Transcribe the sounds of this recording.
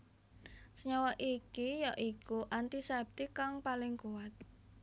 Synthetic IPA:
səɲɔwɔʔikijaʔikuʔant̪isɛb̚t̪ikaŋpalɪŋkuat̪̚

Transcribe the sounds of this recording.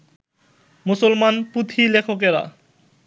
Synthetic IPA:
musolmanput̪ʰilekʰokeɾa̰

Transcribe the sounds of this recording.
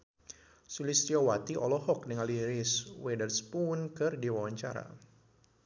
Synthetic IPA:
sulist̪iawat̪iʔɔlɔɦɔk̚dəŋaliɾɪswɛdərspunkɨrdiwawaɲt͡ʃa̰ɾa̰

